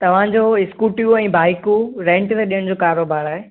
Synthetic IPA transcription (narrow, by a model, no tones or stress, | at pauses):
t̪ɐʋ̤ãd͡ʑoːɪskuːʈijũɛ̃ːbʱaːikuɾɛ̃ːɳʈt̪eɗijəɽ̃d͡ʑoːkaːɾoːbaːɾaːɦe